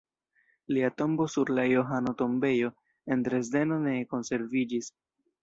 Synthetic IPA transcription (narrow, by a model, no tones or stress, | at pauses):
liato̞mbo̞suɾlajoɦano̞to̞mbe̞jo̞ | e̞ntɾe̞zde̞no̞ne̞ko̞nse̞ɾvid͡ʒis